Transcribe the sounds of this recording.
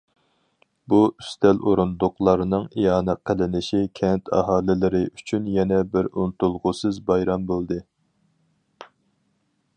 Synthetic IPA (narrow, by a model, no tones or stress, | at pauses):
buʔyst̪ʰɛloɾund̪ʊqlˠɑɾɨnɨŋijɑːnɛqʰəlɪnɪʃikʲʰɛnt̪ʰɑ̰ɦɑːlɪlɪɾɪʔyt͡ʃʰynjɛnɛbɪɾunt̪ulˠʁʊsɨzbɑjɾɑmbolˠd̪ɨ